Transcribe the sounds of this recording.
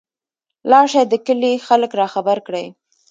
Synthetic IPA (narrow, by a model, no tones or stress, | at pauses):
lɑʂad̪əkəlixaləkɾɑxabaɾkɽəj